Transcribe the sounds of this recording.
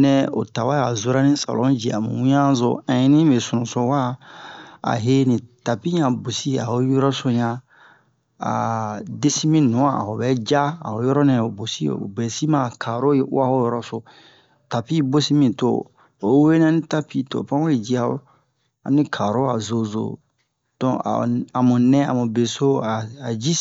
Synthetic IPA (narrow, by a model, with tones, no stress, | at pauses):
nɛ̃˦o̰˨ta˨wa˦a˨zo˨ɾa˦nĩ˦sa̰˨lɔ̃˦d͡ʒi˨a̰˨mṵ̃˨wũ˦ã˦zo̰˨ã˨ji˦nĩ˦be˨su˨nũ˨so˨wa˦ | a̰˨ɦe˦nĩ˨ta˨pi˦ɲã˨bo˨si˦a̰˨o˨˦jɔ˦ɾɔ˦so˦ɲã˦ | a̰˨de˦si˦mĩ˦nũ˨˦˨a̰˨ho˨bɛ˦d͡ʒa˦a̰˨ho˨˦jɔ˦ɾɔ˦nɛ̃˨o˨bo˨sḭ˦˨o̰˨bɛ˨si˦mã˦˨kʰa˨ɾo̰˦a˦ho˦jɔ˦ɾɔ˦so˨ | ta˨pi˦bo˦si˦mĩ˨to̰˨˦ | we˦n˦ã˦nĩ˦ta˦pi˦to̰˨pã˦o˦i˨d͡ʒi˦a˨o̰˨˦ | a̰˨nĩ˦kʰa˨ɾo˦a˨zo˨zo̰˨ | d̥ɔ̃˨a̰˨a˨mũ˨nɛ̃˦a̰˨mũ˨be˨so˦a˨a˨d͡ʒi˦